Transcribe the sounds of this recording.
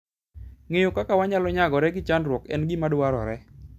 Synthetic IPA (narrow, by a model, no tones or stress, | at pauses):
ŋejʊkakawaɲalɔɲaɡɔɾɛɡɪt͡ʃanɾwɔkɛ̰nɡɪmadwaɾɔ̰ɾɛ